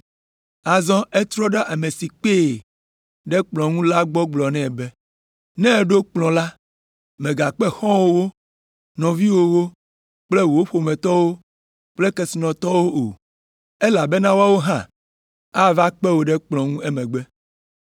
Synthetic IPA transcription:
a˨zɔ̃˦ɛ˦t̪ɾɔ˦ɖɛ˦ʔa˨me˨si˨k͡pe˦˨ | ɖɛ˦k͡plɔ̃˨ŋũ˦la˦ɡ͡bɔ˦ɡ͡blɔ˨nɛ̃˦˨bɛ˦ | nɛ̃˦˨ɖo˦k͡plɔ̃˨la˦ | mẽ˨ɡa˨k͡pɛ˦xɔ̃˦wo˦wo˦ | nɔ̃˨vi˦wo˦wo˦ | k͡ple˦wo˦ɸo˨mɛ̃˨t̪ɔ˦wo˦ | k͡ple˦kɛ˨si˨nɔ̃˨t̪ɔ˦wo˦ʔo˨ | e˦la˨bɛ˦nã˦wa˦wo˦ɦã˦˨ | a˦va˦k͡pɛ˦wo˨ɖɛ˦k͡plɔ̃˨ŋũ˦ɛ˦mɛ̃˨ɡ͡bɛ˦

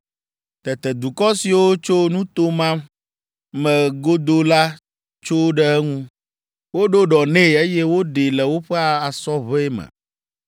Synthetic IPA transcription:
t̪ɛ˨t̪ɛ˨d̪u˨kɔ˦si˨wo˦t͡ʃo˦nũ˦t̪o˦mã˦m | mɛ̃˨ɡo˦d̪o˦la˦ | t͡ʃo˦ɖɛ˦ɛ˦ŋũ˦ | wo˦ɖo˦ɖɔ˨nẽ˦˨e˦jɛ˦wo˦ɖe˨lɛ˨wo˦ɸɛ˦a˨a˨sɔ˦βe˦ɛ˦mɛ̰˨

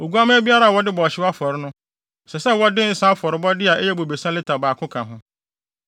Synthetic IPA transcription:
o˨ɡu˦a˦mɪ̃˦æ˦bi˦a˦ɾa˦˨wɔ˦dɪ˦bɔː˨ɕɪ˦wa˦fɔ˨ɾɪ˦nʊ̃˦ | sɛ˨sɛ˦wɔ˦dɪ˦n̩˦sã˦fɔ˨ɾɪ˨˦bɔ˦dɪ˦a˨ʔɛ˦jɛ˦bo˨be˨sã˦lɪ˦tʰa˨baː˨kʰʊ̃˦kʰã˨ɦʊ̃˦

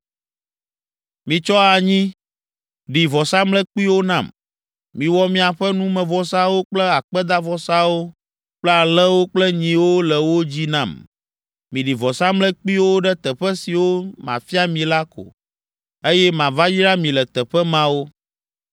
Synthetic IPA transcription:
mĩ˨t͡ʃɔ˦a˨ɲĩ˦ | ɖi˨vɔ˨sa˦mlɛ˦k͡pi˦wo˦nã˦˨m | mĩ˨wɔ˦mĩ˦a˨ɸɛ˦nũ˦mɛ̃˨vɔ˨sa˦wo˦k͡plɛ˦a˨k͡pɛ˦d̪a˦vɔ˨sa˦wo˦ | k͡plɛ˦a˨lɛ˦wo˦k͡plɛ˦ɲĩ˨wo˦lɛ˨wo˦d͡ʑi˦nã̰˦˨m | mĩ˨ɖi˨vɔ˨sa˦mlɛ˦k͡pi˦wo˦ɖɛ˦t̪ɛ˨ɸɛ˦si˨wo˦mã̰˨fi˦a˦mĩ˨la˦ko̰˨ | e˦jɛ˦mã˨va˦ji˦ɾa˦mĩ˨lɛ˨t̪ɛ˨ɸɛ˦mã˦wo˦

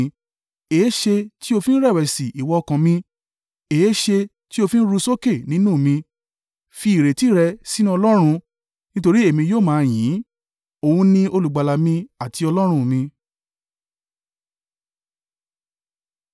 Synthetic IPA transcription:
eː˨˦ʃe˧ti˦o˧fĩ˦n̩˦ɾɛ˦˨wɛ˨si˨ʔi˨wɔ˧˦˧kã˨mĩ˧ | e˨˦ʃe˧ | ti˦o˧fĩ˦n̩˦ɾu˧˦so˦ke˦˨nĩ˨˦nũ˦˨mĩ˧ | fi˧i˨ɾe˨ti˨˦ɾɛ˧si˦nũ˦ɔ˧lɔ˦ɾ̃ũ˧ | nĩ˦to˧ɾi˦e˦˨mĩ˧joː˦˨mãː˨˧j̃ĩ˨˦ | o˨wũ˧nĩ˧o˧lu˨ɡ͡ba˨la˨mĩ˧a˨ti˨˧ɔ˧lɔ˦ɾ̃ũ˧mĩ˧

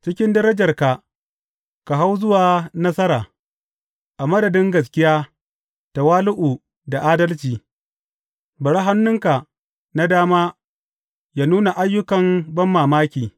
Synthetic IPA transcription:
t͡ʃɪ˦kʲɪ˦ndɐ˦ɾɐ˦d͡ʒɐ˨rka˨ | ka˨ɦa˦wzʊ˦waː˨nɐ˦sɐ˦ɾaː˨ | ʔa˨mɐ˦dɐ˨dɪ˦ŋɡɐ˨s̬kʲɪ˦jaː˦ | ta˨waː˦lʊ˦ʔu˨ | da˨ʔaː˦dɐ˦lt͡ʃiː˨ | bɐ˨ɽa˦ɦa˦nːʊ˦ŋka˨ | na˦daː˦maː˦ | jaː˦nuː˦na˨ʔa˦jːʊ˦kɐ˨mbɐ˦mːaː˨maː˦kʲiː˨

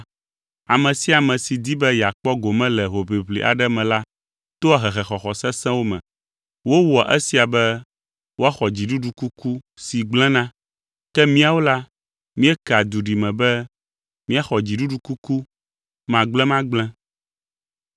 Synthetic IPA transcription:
a˨mɛ̃˨si˦a˨mɛ̃˨si˨d̪i˦bɛ˦ja˨k͡pɔ˦ɡo˨mɛ̃˦lɛ˨ɦo˨βi˨βlḭ˨ʔa̰˨ɖɛ˦mɛ̃˨la˦ | t̪o˦a˨ɦɛ˨xɛ˨xɔ˨xɔ˨sɛ̃˦sɛ̃˦wo˦mɛ̰̃˨ | wo˦wɔ˨ʔɛ˦si˨a˨bɛ˦ | wo˦a˦xɔ˨d͡ʑi˨ɖu˦ɖu˦ku˦ku˦si˨ɡ͡blɛ̃˦nã˦ | kɛ˦mĩ˦a˨wo˦la˦ | mĩ˦ɛ˦ka˨d̪u˨ɖi˨mɛ̃˨bɛ˦ | mĩ˦a˦xɔ˨d͡ʑi˨ɖu˦ɖu˦ku˦ku˦ | mã˨ɡ͡blɛ̃˦mã˦ɡ͡blɛ̃˦

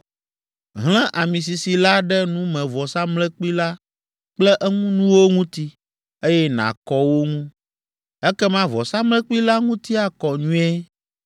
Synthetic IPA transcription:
ɦl̃ɛ̃˦ʔa˨mĩ˨s̬i˨si˨la˦ɖɛ˦nũ˦mɛ̃˨vɔ˨sa˦mlɛ̃˦k͡pi˦la˦ | k͡plɛ˦ʔɛ˦ŋũ˦nũ˦wo˦ŋũ˦t̪i˦ | e˦jɛ˦nã̰˨kɔ˨wo˦ŋũ˦ | ɛ˦kɛ˦mã˦vɔ˨sa˦mlɛ̃˦k͡pi˦la˦ŋũ˦t̪i˦a˨kɔ˨ɲũ˦ɛ˦

